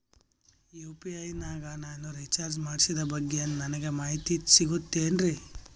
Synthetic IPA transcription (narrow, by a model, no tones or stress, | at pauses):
juːpiɐjnaːɡɐnaːnuɾit͡ʃaːɾd͡ʒmaːɽsid̪ɐbɐɡːeɐnnɐnɐɡe̞maːɦit̪isiɡut̪ːeːnɾi